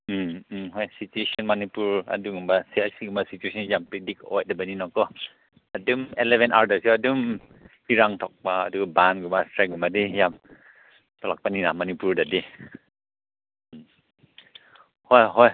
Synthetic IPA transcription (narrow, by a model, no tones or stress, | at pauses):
m̩mmɦɔjsit͡ʃueʃɔnmanipuɹa̰duŋumbasiasiɡumasit͡ʃueʃɔnjampɾidikɔ̰j̚dabaninɔkɔ | adumɛlɛvɛ̃nta̰ɾdəɹsiɔːdum | iɾaŋt̪ʰɔk̚baadukbanɡumastɹɛɡumadijam | t̪ɔlak̚paninamanipuɹdadi | m | hɔjɦɔj